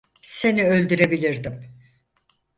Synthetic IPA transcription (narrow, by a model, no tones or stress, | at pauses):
se̞niø̞lʲd̪yɾebilʲiɾd̪im